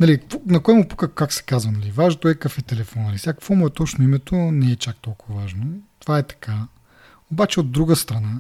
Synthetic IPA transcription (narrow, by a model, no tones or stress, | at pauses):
nɐlionɐkoɛmʊpu̥kəkaksɛ̥kazvɐnɐlivaʒnt̪oɛkɐfɛt̪ɛlɛfɔnːɐlisʲjakfvɔmʊɛt̪ɔt͡ʃnoimɛt̪ʰonɛɛt͡ʃak̚t̪ɔlˠkʊvɐvaʒnot̪ovaɛt̪ɐ̥kʰa | obat͡ʃɛod̪ːɾuɡəst̪ɾɐna